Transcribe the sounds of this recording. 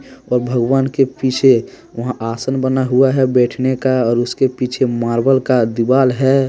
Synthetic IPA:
ɔːɾbʱəɡʋaːnkepit͡ʃʰe | ʋəɦãʔaːsənbənaɦuaɦɛbɛːʈʰnekaɔːɾʊskepit͡ʃʰemaːɾbəlkad̪ibaːlɦɛ

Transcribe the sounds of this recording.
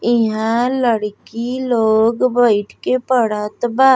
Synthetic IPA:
ɪɦãləɽkiloːɡbəɪʈkepəɽət̪baː

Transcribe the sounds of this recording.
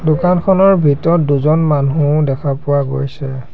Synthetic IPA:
dʊkankʰɔnɔɹbʱitɔtduzɔnmanũdɛkʰapʊwaɡo̰jsɛ

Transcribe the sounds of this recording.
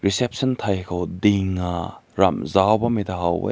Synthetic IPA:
ɾisep̚sɐntʰajkʰɐwdiŋːaɾa̰mzawbɐmidaɦawbɐ̰

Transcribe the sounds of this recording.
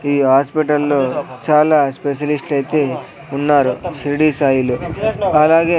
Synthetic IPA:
iːɦaːspiʈ̬ɐlːut͡ʃaːlaspeʃ̬ɐlisʈɐjt̪e | unːaːɾusɾiɽiːsaːjiluɐlaːɡe

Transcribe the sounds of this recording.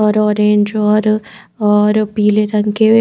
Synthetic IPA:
ɔːɾɔːɾẽːɲd͡ʒɔːɾ | ɔːɾpiːleɾɐ̃ŋkee

